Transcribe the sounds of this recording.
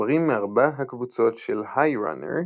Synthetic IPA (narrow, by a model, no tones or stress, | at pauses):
ʁimːeaʁbaɦakvut͡so̞tʃelhajʁa̰nḛʁ